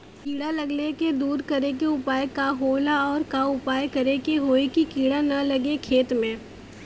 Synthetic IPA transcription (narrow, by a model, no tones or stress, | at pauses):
kiːɽalɐɡleked̪uːɾkɐɾekeʊpaːjekaɦoːlaɔːɾkaʊpaːjkɐɾekeɦoːikikiːɽanɐlɐɡekʰeːt̪mẽː